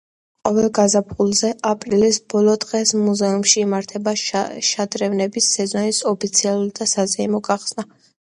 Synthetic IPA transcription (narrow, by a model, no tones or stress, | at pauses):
qʼɔvɛlˠɡazapʰulˠzɛʔapʼɾilisb̥ɔlˠɔd̪ʁɛsmuzɛumʃiːmaɾt̪ʰɛbaʃad̪ɾɛvnɛbisːɛzɔnisɔpʰit̪sʰialˠuɾid̪asazɛimɔɡaχsna